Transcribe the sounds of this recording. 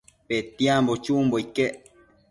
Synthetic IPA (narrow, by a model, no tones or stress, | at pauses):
pet̪iambot͡ʃumboike